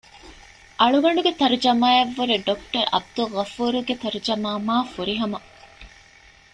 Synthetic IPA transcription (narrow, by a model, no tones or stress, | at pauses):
ʔɐɭuɡɐɳɖuɡet̪ɐɾd͡ʒɐmaːeʋːuɾeɖokʈɐɾɐ̰b̚d̪ulʁɐfuːɾuɡet̪ɐɾd͡ʒɐmaːmaːfuɾiɦɐmɐ